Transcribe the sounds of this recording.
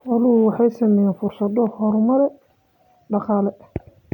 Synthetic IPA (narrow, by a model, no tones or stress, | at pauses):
wɔlʊhʊwɑħɑjsɐmɛjɛnfʊrsɐðɔhɔɾmɐɾɛ | ɖɑqɑːlɛ